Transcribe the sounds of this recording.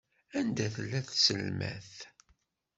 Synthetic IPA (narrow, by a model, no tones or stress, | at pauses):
ænd̪æθəlːæθsəlmæ̰θ